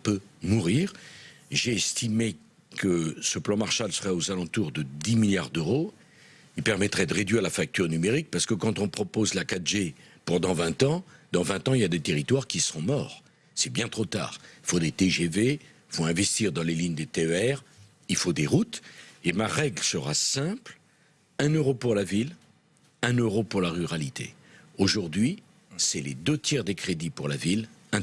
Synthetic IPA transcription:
pømuʁiːʁʒeɛst̪ime | kəsəplɑ̃maʁʃalsəʁɛozalɑ̃t̪uʁd̪əd̪imiljaʁd̪øʁo | ilpɛʁmɛt̪χɛd̪əʁed̪ɥiʁlafak̚t̪yʁnymeʁik̚paʁsə̥kəkɑ̃t̪ɔ̃pχɔpozlakat̪ʒepɑ̃d̪ɑ̃vɛ̃t̪ɑ̃d̪ɑ̃vɛ̃t̪ɑ̃iljad̪et̪eʁit̪waʁkʲisəɔ̃mɔːʁ | sɛbjɛ̃t̪χot̪a̰ːʁilfod̪et̪eʒeve | fõɛ̃vɛst̪iʁd̪ɑ̃leliɲd̪et̪eøɛʁ | ilfod̪eʁut̪emaʁɛɡlsəʁa̰sɛ̃pl | ɛ̃nøʁopuʁlavil | ɛ̃nøʁopuʁlaʁyʁalit̪ʰḛ | oʒuʁd̪ɥi | sɛled̪øt̪jɛʁd̪ekχed̪ipuʁlavilɛ̃

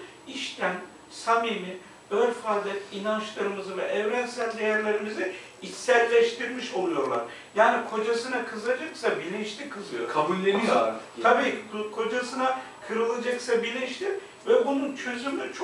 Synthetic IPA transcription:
iʃt̪ʰæn | samimi | øɾfazd̪ˠɯinant͡ʃlˠaɾɯmɯzɯvɛʔɛvɾænsælʲd̪ejæɾlʲeɾimizɪ | it̪sɛɾlʲɛʃt̪ʰiɾmiʃo̞lˠujo̞ɾlˠa̰ɾ̥ | jaːnikʰo̞d͡ʒasɯnakʰɯzɯlˠad͡ʒaksabilʲinʃt̪ʲikʰɯzɯjoɾkʰabulʲːemijot̪ʰabiːkʰo̞d͡ʒasɯna | kʰɯɾɯlˠad͡ʒaksabilʲinʃt̪ʲiɾ | vɛbununt͡ʃʰøzymyt͡ʃʰ

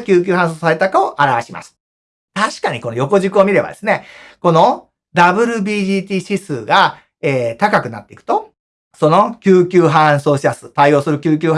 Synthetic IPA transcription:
kʲɨːk̬ʲɨːɦãɰ̃s̬oːsaɾe̞t̪akaoʔaɾaβaɕimʔa̰sɨ̥ | t̪aɕi̥kaɲ̟iko̞nojo̞ko̞ʑikɯ̟o̞mʲiɾe̞ba̰d̪e̞sɨne̞ko̞no̞ | d̪abɯ̟ɾɯ̟bʲiːʑiːt̪ʲiːɕisɨːɡa | eːt̪akakɯ̟na̰t̪ːeikɯ̟̥t̪o̞ | so̞no̞kʲɨːkʲɨːɦãso̞ːɕisasɨ̥t̪aio̞ːsɨɾɯ̟kʲɨːkʲɨːɦ

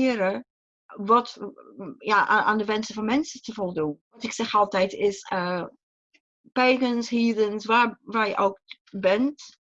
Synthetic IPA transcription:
ɪɾə | ʋɑt | jaʔaʔa̰ːndəʋɛnsəvɑnmɛnsətəvolˠdunʋɑtɪksɛχɑlˠtɛjtɪsə | pejkənshiːdənsʋaːɹʋaːɹjəʔowk | bɛnt

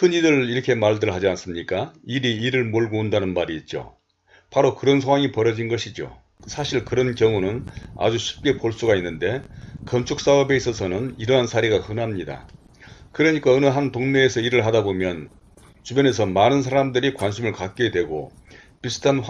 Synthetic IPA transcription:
kʰɯnidɯɾiɾʌkʰe̞maɭdɯɭɦad͡ʑians͈ɯmɲik͈aiɾiːɾɯɭmoɭɡoundanɯnmaɾiːt̚t͡ɕ͈o̰ | paɾokɯɾʌnsʰoŋwaŋipʌɾʌd͡ʑinɡʌɕʰid͡ʑo̰ | sʰaɕʰiɭkɯɾʌnkjʌŋunɯna̰d͡ʑuɕʰi̥p̚k͈e̞poɭs͈uɡainːɯnde̞kʌnt͡ɕʰuk̚s͈aʌbe̞is͈ʌsʰʌnɯniɾʌɦansʰaɾiɡahɯnamɲida̰ | kɯɾʌɲik͈aɯnɯɦantoŋne̞ːsʰʌiɾɯɭɦadabomjʌn | t͡ɕubjʌne̞sʰʌmanɯnsʰaɾamdɯɾikwanɕʰimɯɭkak͈edwe̞ɡo̰ | pisʰɯ̥tʰan

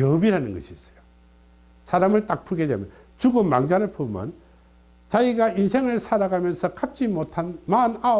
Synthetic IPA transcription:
jʌbiɾanɯnɡʌ̰ɕʰiːs͈ʌ̥jo | sʰaɾamɯɭt͈ak̚p͈ʰuɡedwḛmj | t͡ɕuɡoma̰ŋd͡ʑanɯɭpʰomjʌ̰n | t͡ɕaiɡainsʰe̞ŋɯɭsʰaɾaɡamjʌnsʰʌkap̚t͡ɕ͈imotʰanmana

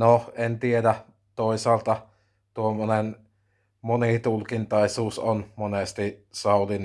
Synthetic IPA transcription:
noent̪iedæ | t̪oˑisɑːlt̪ɑ | t̪uomːonen | monit̪ulkint̪ɑisuːsonmonest̪isɑˑulin

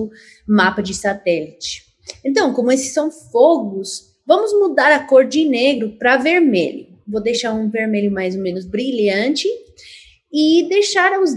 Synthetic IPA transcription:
ʊ | mapɐd͡ʒɪsat̪ɛlit͡ʃɪ̥ | ẽnt̪̬ɐ̃w̃kõmʊesɪ̥sːɐ̃w̃foɡʊs | vɐ̃mʊzmud̪aɾɐkoɾd͡ʒɪneɡɾʊpɾɐveɾmḛʎʊ̰ | vod̪ejʃaɾũveɾmeʎʊmajzomẽnʊzbɾiʎɐ̃t͡ʃɪ | ɪd̪ejʃaɾɐʊz

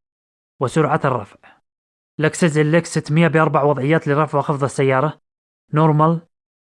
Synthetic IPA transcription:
wɪsʊɾʕat̪ɨrˤːɑ̰fʕ | laksɪzɪlːaksɪt̪ːmɪjːabʔɑɾˤbaʕwɑðˤʕɪjːaːt̪lɪɾˤɑfʕxɑfðˤɑsːajːɑːɾˤɑ | noɾˤmal

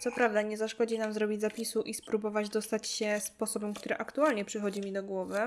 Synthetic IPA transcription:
t̪sɔpɾavd̪aɲɛzaʂkɔd͡ʑinamzɾɔbʲid͡ʑzapʲisuʔispɾubɔvad͡ʑd̪ɔst̪at͡ɕɕɛspɔsɔbɛmkt̪uɾɛʔakt̪ualɲɛpʂɘxɔd͡ʑimʲid̪ɔɡwɔvɘ

